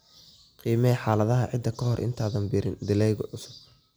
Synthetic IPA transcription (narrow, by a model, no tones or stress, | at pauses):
qiːmɛħaːlɐðɐɦɐʕɪd̪ːɐkʰɐɦɔrʔɪ̰nt̪ʰaːðɐnbɪɾɪnd̪ɪlɛjɣɔʊsʊ̥d